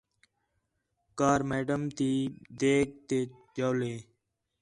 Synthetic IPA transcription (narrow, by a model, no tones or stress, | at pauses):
kaːɾmeːɖəmt̪iːd̪eːk̚t̪eː | d͡ʒoːleː